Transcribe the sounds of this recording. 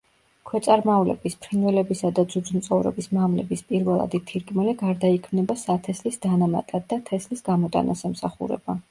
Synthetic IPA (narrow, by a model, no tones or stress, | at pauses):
kʰwɛt̪sʼaɾmaulɛ̰bispʰɾinvɛlɛbisad̪ad̪zud̪zumt̪sʼɔvɾɛ̰bismamlɛ̰bispʼiɾvɛlˠa̰d̪it̪ʰiɾkʼmɛliɡaɾd̪aikʰmnɛbasat̪ʰɛslisd̪anama̰t̪ʼad̪ːat̪ʰɛslisɡamɔt̪ʼa̰nʔa̰sɛmsaχṵɾɛ̰ba